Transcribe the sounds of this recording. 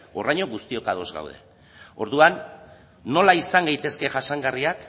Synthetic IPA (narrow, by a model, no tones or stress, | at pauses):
oraɲo̞ɣust̪io̞kaðo̞zɡa̰wð̞e̞̰ | o̞ɾðuanː | o̞laisaŋɡajt̪e̞ske̞ʝaʃaŋɡariak